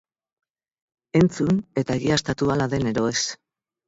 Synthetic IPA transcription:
e̞nt͡sune̞t̪aeɣiast̪at̪ualaðe̞ne̞ɾo̞e̞s

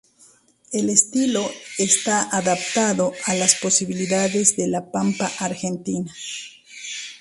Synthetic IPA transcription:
e̞lest̪ilo̞est̪aʔaðap̚t̪aðoalaspo̞siβiliðaðe̞zðe̞lapampaʔaɾxe̞nt̪ina

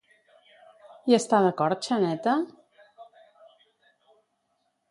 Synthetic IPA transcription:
iəst̪aðəkɔɾt̪̚t͡ʃənɛt̪ə

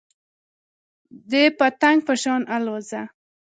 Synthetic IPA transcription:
d̪epat̪aŋɡ̚pəʃɑnaloza

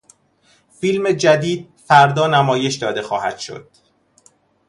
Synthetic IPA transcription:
fiːlme̞d͡ʒæd̪iːd̪̚fæɾd̪ɒːnæmɒːje̞ʃd̪ɒːd̪e̞xɒːhæ̰d̪̥ʃo̞̰d̪̥

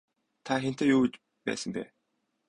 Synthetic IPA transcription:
t̪ʰaxen̥t̪eːjuːt͡ɕ | pæ̰ːsə̆mpæ̰ː

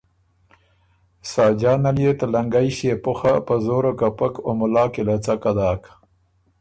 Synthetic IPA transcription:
sɑːd͡ʒɑːnaljet̪alaŋɡajʃepʊxapəzoɾokapakomʊlɑːkelat͡sakad̪ɑːk

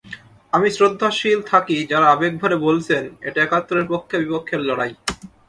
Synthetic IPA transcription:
amisɾod̪ʱːaʃilt̪ʰakid͡ʑaɾaabek̚bʱaɾebolt͡ɕʰenḛʈaɛkat̪ːoɾeɾpokʰːebipokʰːeɾlɔɽaj

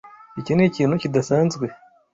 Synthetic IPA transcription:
icineciːn̤ucidasaːnzɡwe

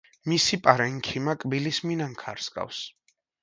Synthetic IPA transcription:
misipʼaɾɛŋkʰimakʼbilisminaŋkʰa̰ɾskʼa̰fs

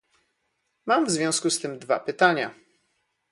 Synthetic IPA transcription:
mamvzvʲjɔ̃skust̪ɘmd̪va̰pɘt̪aɲa

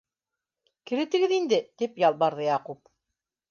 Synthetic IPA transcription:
kɘ̆ɾɘ̆t̪ɘ̆ɡɘðind̪ɘt̪ipjɑlˠbɑɾðɤjɑqup̚

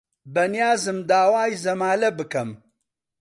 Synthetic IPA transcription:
bɐnijaːzɨmd̪aːwaːjzɐmaːlɐbɨkɐm

